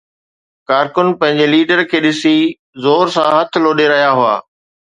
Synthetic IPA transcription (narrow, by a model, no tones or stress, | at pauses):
kaːɾkʊnpɐ̃ɦɪ̃ɲd͡ʑeliːɖəɾkʰeːɗɪsi | zoːɾsãɦɐt̪ʰɪloːɗeɾɐɦjaɦʊa̰ː